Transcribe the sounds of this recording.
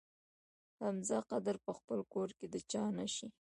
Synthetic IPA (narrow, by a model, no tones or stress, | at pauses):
hamzaqad̪aɾpəxpəlkoɾked̪ət͡ʃɑnaʃi